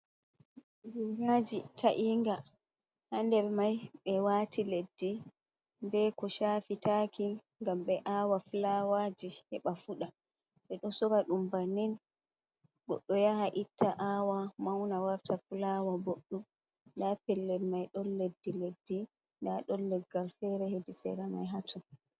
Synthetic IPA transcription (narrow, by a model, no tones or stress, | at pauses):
wiɾad͡ʒitʰaʔiŋɡa | handɛɾmajɓɛwatʰiledːi | bɛkɔʃaːfitaki | ŋɡamɓɛʔaːwafulawad͡ʒihɛ̰ɓafuɗa | ɓɛɗɔsɔɾaɗumbanin | ɡ̥ɔɗːɔjahaʔitʰːaʔawamawnawaɾtʰafulawaboɗːu | dapɛlːɛlmajɗɔnledːiledːi | ndaɗɔnːɛɡːalfɛɾɛhedisɛ̰ɾama̰jɦatʰu